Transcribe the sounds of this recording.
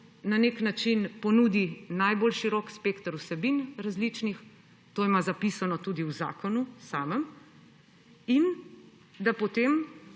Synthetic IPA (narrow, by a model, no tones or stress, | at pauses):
naneknat͡ʃinpɔnuːd̪inajbolʃiɾɔːkspeːkt̪əɾusɛbinɾazlit͡ʃnix | t̪oːimazapisanɔt̪ud̪iuwza̰ːkɔnusaːməm | in | d̪apot̪em